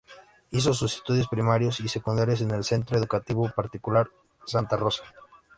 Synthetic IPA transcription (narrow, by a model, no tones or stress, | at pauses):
is̬o̞s̬use̥st̪uðjospɾimaɾjo̞sise̞kund̪aɾje̞s̬e̞ne̞lse̞nt̪ɾoe̞ðukat̪iβopaɾt̪ikulaɾ | sant̪aro̞sḁ